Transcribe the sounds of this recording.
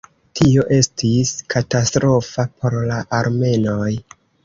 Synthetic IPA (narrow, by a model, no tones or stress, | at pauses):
tʰio̞ʔe̞stiskʰatastɾo̞fapʰo̞ɾlaʔaɾme̞no̞j